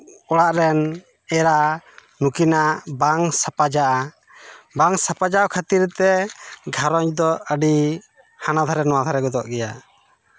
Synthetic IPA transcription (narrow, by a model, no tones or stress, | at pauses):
ɔɽaʔɾɛn | ɛɾa | nukinaʔʔbaŋsapad͡ʒaʔa | baŋsapad͡ʒawkʰat̪iɾt̪ɛɡʱaɾɔɲd̪ɔəɖi | hanad̪ʱaɾɛnɔwad̪ʰʱaɾɛɡɔd̪ɔʔɡɛja